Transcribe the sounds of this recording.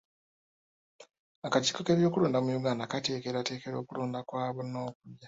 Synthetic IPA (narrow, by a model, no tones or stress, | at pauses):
akaci̥ːko̞ke̞ːβjo̞ːkuloːndamujuɡaːndakate̞ːke̞ɾate̞ːke̞ɾo̞ːkuloːndakwaːβono̞ːkudɟa